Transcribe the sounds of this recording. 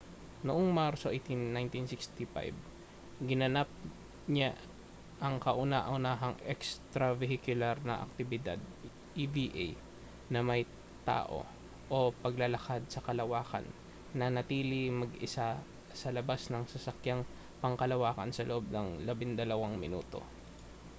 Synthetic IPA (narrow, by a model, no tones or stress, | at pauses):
noʔoŋmaɾsoʔɛjt̪inːajnt̪insɪkst̪ifa̰jb | ɡɪnɐnap̚ | ɲa | ʔɐŋkɐʔʊnaʔɐʊnaːɦɐŋɛkst̪ɾɐvɛɦɪkjʊlaɾnɐ̰ʔɐ̰k̚t̪ɪbɪd̪a̰d̪̚ | ʔibiʔej | nɐmɐj | t̪a̰ːʔo̞̰ | ʔo̞pɐɡlɐlɐkad̪̚sɐkɐlɐwaːkɐ̰nː | ɐnɐt̪iːlɪmɐɡɪsa | sɐlɐbasnɐŋsɐsɐkjaŋ | pɐŋkɐlɐwaːkɐ̰nsɐloʔob̚nɐŋlɐbɪŋd̪ɐlɐwaŋmɪ̰nṵːt̪o̞̰